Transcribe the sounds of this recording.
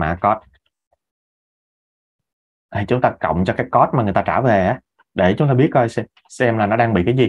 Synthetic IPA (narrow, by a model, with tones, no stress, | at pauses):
ma̰ː˧˩kɔ˦˥t̚ | ʔʰi˨˩t͡ɕʊ˨˦ŋ͡mt̪aː˧kə̰˧˨wŋ͡mt͡ɕɔ˧kaː˨˦jkɔ˦˥t̚ma˨˩ŋ˨˩jt̪aː˧t͡ɕaː˧˩ve˨˩ʔaː˨˦ | ɗe˧˩t͡ɕʊ˨˦ŋ͡mt̪aː˧ɓi˦˥ət̚kɔ˧jsɛ˧ | sɛ˧mlaː˨˩nɔ˨˦ɗaː˧ŋɓḭ˧˨kaː˨˦jzi˨˩